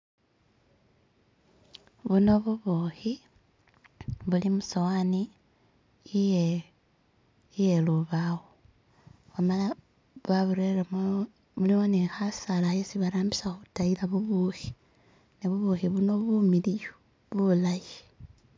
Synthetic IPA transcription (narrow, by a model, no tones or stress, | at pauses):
βuno̞βuβoxi | βulimusowaniː | je | jeluβawo | βamala | βaβuɾeɾemo | βuliwonexasalajesiβaɾaːmbisaxutailaβuβuxi̥ | niβuβuxiβuno̞βumilijo | βulaji